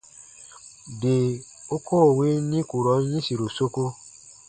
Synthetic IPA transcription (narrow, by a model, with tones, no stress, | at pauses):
de˨ | o˦kʰo˦˨we˨˦nĩ˦ku˨ɾɔ˨˦jĩ˦si˨ɾo˨so˦ko˦